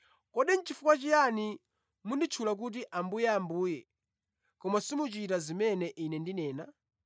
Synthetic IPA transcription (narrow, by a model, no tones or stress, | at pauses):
kɔɗɛnt͡ʃifukwat͡ʃijani | mundit͡ʃʰulak̬ut̬iʔambujɛambuːjɛ | kɔmasimut͡ʃitazimɛnɛʔinɛndinɛːna